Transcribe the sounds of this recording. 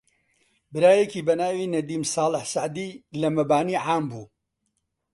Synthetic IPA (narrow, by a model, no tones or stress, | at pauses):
bɨɾaːjekiːbɐnaːwinɐd̪iːmsɑːlɪħsaʕd̪iːlɐmɐbaːniːʕaːmbuː